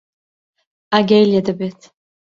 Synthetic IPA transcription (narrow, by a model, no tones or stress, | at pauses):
aɡʲajljad̪abetʰ